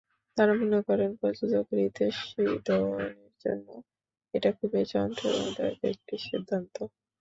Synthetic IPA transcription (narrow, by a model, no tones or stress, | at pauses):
t̪aɾamonekɔɾenpɔd͡ʑudokoɾid̪eʃid̪ɔoneɾd͡ʑo̰nːo | eʈakʰubet͡ɕɔnt̪ʰoo̰ad̪a̰etek̚ʈiʃid̪ʱːant̪o